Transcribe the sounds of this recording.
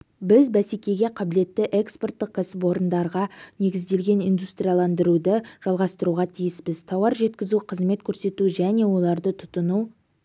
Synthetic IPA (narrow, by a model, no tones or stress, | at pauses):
bɪzbæsekʲe̞ɡʲe̞qʰɑbɪle̞t̪ːɪʔekspo̞rt̪ːəq̚kːʰasɪp̬o̞ɾənd̪ɑɾʁɑne̞ɡʲɪzd̪e̞lɡʲe̞nijnd̪ust̪rʲijalˠɑnd̪əɾud̪əʒ̥ɑlˠʁɑst̪əɾuʁɑt̪ʰijɪspɪzt̪ʰɑwɑɾʒe̞t̪kʲɪzuqʰəzme̞t̪kʲʰɵɾse̞t̪uʒæne̞wo̞lˠɑɾd̪ət̪ʰʊ̥t̪ənu